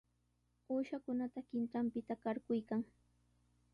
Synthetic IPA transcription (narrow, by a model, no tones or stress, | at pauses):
oːʃakʊnat̪akɪnt̪ampɪt̪akaɾkʊjkaŋ